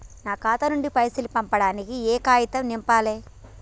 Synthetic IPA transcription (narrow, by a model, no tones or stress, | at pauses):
naːkaːt̪ɐnuɳɖipɐjsilipɐmpɐɽaːnikiɛːkaːjit̪ɐmnimpaːleː